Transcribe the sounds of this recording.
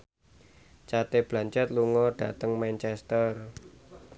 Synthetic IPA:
t͡ʃat̪eb̥laɲt͡ʃɛt̪̚luŋɔɖ̥a̤t̪əŋmɛnt͡ʃɛst̪ər

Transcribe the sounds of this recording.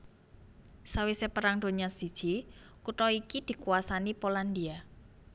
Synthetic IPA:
sawisepəɾaŋd̥o̤ɲasid̥ʒ̥i | kut̪ɔikid̪̥i̤kuasanipoland̪ia

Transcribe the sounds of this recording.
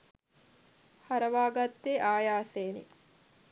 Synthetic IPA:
hɐɾɐʋaːɡɐt̪ːeʔaːjaːseːnḭ

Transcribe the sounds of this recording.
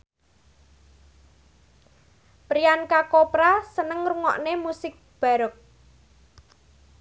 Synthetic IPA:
pɾiankakopɾasənəŋruŋɔ̰ʔnemusɪk̚b̥a̤ɾək̚

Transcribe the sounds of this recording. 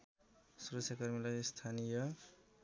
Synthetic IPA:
suɾʌksʰjakʌrmilʌjst̪ʰanijʌ

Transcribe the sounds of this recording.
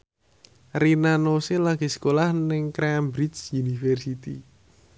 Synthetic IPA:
rinanoselaɡ̥isə̥kolahnɪŋkɾambɾisjunifɛrsit̪ḭ

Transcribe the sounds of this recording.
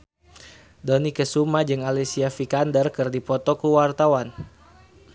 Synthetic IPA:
dɔnikəsumad͡ʒɨŋalesiafikandərkɨrdipɔt̪ɔkuwart̪awan

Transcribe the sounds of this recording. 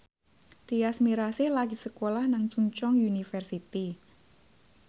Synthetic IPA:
d̪̥iasmiɾasɪhlaɡisəkolahnaŋt͡ʃuɲt͡ʃɔŋjunifɛrsit̪i

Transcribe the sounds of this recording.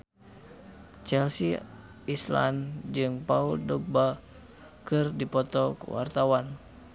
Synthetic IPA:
t͡ʃɛlsi | isla̰nd͡ʒɨŋpauldɔɡ̚ba | kɨrdipɔt̪ɔkṵwa̰rt̪awan

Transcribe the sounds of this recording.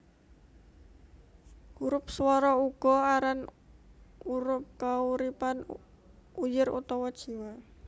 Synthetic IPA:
uɾʊp̚swɔɾɔuɡ̥ɔ̤aɾan | uɾʊp̚kauɾipan | ujɪrṵt̪ɔwɔd̥ʒ̥i̤wa

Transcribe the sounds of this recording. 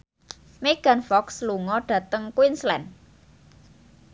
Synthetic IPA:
meɡ̥a̤nfɔksluŋɔɖ̥ä̤t̪əŋkwinslɛn

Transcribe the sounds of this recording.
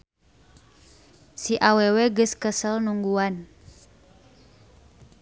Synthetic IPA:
siʔaweweɡɨskəsəlnuŋɡuan

